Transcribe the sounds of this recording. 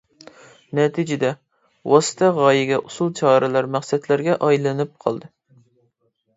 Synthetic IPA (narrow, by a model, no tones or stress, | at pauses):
nɛt̪ʰid͡ʒɪd̪ɛ | wɑsɨ̥t̪ʰɛʁɑːjɪɡʲɛʔusulˠt͡ʃʰɑːɾɨlˠɑɾmæχsɛt̪læɾɡʲɛʔɑjlˠɨnɨp̚qʰɑ̰lˠd̪ɨ